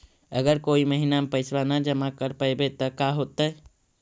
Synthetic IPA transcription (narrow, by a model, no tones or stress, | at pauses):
əɡəɾkoiməɦinamepəɪsbanad͡ʒəmakəɾpəjbet̪əkaɦot̪əj